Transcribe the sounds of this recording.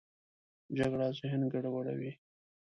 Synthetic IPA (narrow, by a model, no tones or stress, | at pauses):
d͡ʒaɡɽazʊɦɪnɡaɽawaɽa̰wi